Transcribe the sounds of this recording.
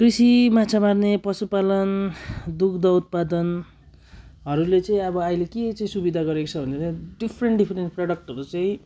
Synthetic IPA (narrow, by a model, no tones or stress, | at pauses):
krisimat͡sʰamarnepʌsupalʌnd̪ukʰd̪ʌut̪̚pad̪ʌn | ɦʌɾulet͡sʌĩʌbʌaileket͡saĩsubid̪ʱaɡʌɾekot͡sʰʌbʱʌneɾʌɖipʰreɳʈɖipʰrenʈpraɽʌk̚ʈʌɾut͡sʌĩ